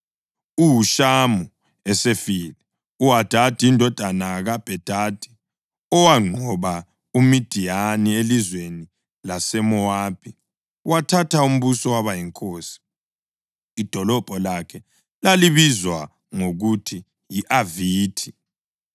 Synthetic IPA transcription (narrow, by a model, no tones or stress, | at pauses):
uwuʃamu | ɛsefiːlɛ | uad̥ʱad̥ʱʼiindʱɔd̥ʱanaɣab̥ʱɛd̥ʱad̥ʱʼi̥ | ɔwaŋ͡ǃʱɔβa | umid̥ʱijanielizweni | lasɛmɔaːpʰi | watʰatʰaum̩βusɔwaβajiŋkʼoːsi̥ | id̥ʱɔlɔb̥ʱɔlakʰɛ | laliβizwa | ŋoɣutʰi | jiʔaviːtʰi̥